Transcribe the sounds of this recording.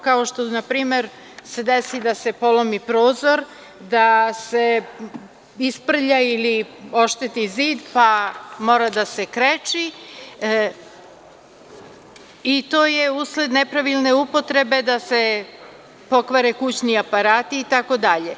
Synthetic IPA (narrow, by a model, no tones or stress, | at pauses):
kaoʃt̪onapɾiːme̞ɾ | se̞d̪esid̪ase̞po̞lomipɾo̞ːzo̞ɾ | d̪ase̞ | ispr̩ʎailio̞ʃt̪et̪iziːd̪pamo̞ːɾad̪ase̞kɾet͡ʃi | it̪o̞ːje̞uːsled̪ne̞pɾaʋilˠne̞upo̞t̪ɾe̞be̞d̪ase̞ | po̞kʋaɾekut͡ɕniapaɾaːt̪iːt̪ako̞d̪aʎe